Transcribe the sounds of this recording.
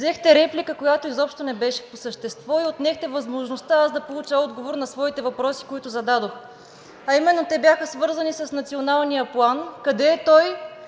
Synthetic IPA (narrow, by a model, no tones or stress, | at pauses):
zɛxt̪ɛɾɛplikəkojat̪oizɔpʃt̪onɛbɛʃɛ̥posəʃt̪ɛst̪vɔiot̪nɛxt̪ɛvɐzmoʒnost̪aazd̪ɐpolˠut͡ʃaɔd̪ɡovoɾnɐsvɔit̪ɛvɐpɾɔsi̥koit̪ʊzɐd̪ad̪ox | ɐimɛnːot̪ɛbʲjaxəsvɤɾzənisɐsnɐt̪sionalˠnijəplˠankɐd̪ɛt̪ɔj